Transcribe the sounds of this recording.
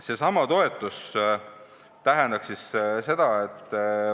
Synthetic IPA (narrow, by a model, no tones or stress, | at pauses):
se̞sɑmɑt̪o̞e̞t̪ːˑus | t̪æɦɛnd̪ɑksisse̞d̪̥ɑet̪ː